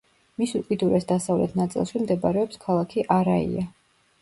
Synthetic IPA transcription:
misukʼid̪uɾɛsd̪asavlɛt̪ʰnat̪sʼḭlˠʃimd̪ɛbaɾɛɔpskʰalˠakʰiʔaɾaḭa

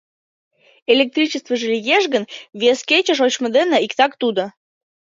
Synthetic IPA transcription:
elʲek̚t̪ɾʲit͡ɕəst̪vəʒəlʲijeʒɣənvʲeskʲet͡ɕə̆ʃ̬ot͡ɕməd̪enə̆ikt̪ɑkt̪ud̪ə̆

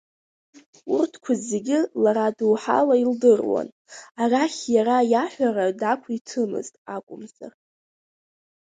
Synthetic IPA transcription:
urtʰkʷʰazeɡʲɪlaɾaduwħa̰laildɨrwa̰n | araχʲjaɾajaħᶣʷaɾadakʷʰitʰɨmɨ̰ztʼakʷʼʊmza̰r

